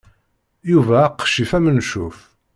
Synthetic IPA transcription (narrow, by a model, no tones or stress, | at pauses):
juvæːqːʃifæmənʃuf